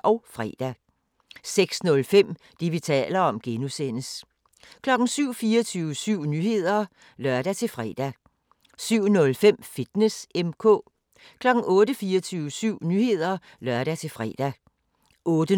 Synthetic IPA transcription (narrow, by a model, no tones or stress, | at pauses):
ʔɒ̽ʊfʁɛ̰ːd̥æ | seɡ̥snɔ̽lfem̰ | d̥iʋit͡sʰɛ̰ːlɐɒ̽mɡ̥enusen̰əs | kʰlɒ̽ɡ̥n̩syʊ̰fiːɐt͡sʰyːʊəsyʊ̰nyhe̝ð̞̰ˠɐ | lɶɐ̰d̥æt͡sʰe̝lfʁɛ̰ːd̥æ | syʊ̰nɔ̽lfem̰fid̥nesemkʰɔ̰̽ː | kʰlɒ̽ɡ̥n̩ɔ̽ːɾəfiːɐt͡sʰyːʊəsyʊ̰nyːhe̝ð̰ˠɐ | lɶɐɾ̥æt͡sʰe̝lfʁɛ̰d̥æ | ʔɔ̽ːd̥ə